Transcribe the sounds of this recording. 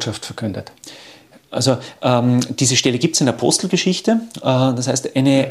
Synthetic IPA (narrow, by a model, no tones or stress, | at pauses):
ʃaftfɛɐkʰʏndət | ʔa̰lzoʔɛːmd̥iːzəʃtɛləɡiːp̚tsɪndeɐpʰɔ̰st̪l̩ɡəʃɪçtəd̥ashæɪstaɪnə